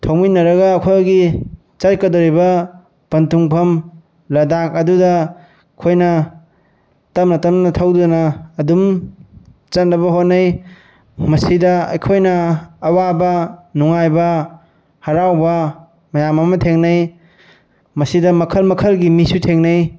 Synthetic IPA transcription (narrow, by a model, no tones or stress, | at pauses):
tʰɐwminːɐɾɐɡɐːkʰojɡi | t͡ʃajkɐdoɾibɐ | pɐntuŋpʰɐm | lɐdak̚ɐdudɐ | kʰojnɐ | tɐmnɐtɐmnɐtʰɐwdunɐːdum | t͡ʃɐt̚nɐβɐɦotnɐj | mɐsidɐɐ̰jkʰojnɐːwabɐnuŋajbɐ | hɐɾawbɐ | mɐjamɐmɐtʰeŋnɐj | mɐsidɐmɐkʰɐlmɐkʰɐlɡimisutʰeŋnɐj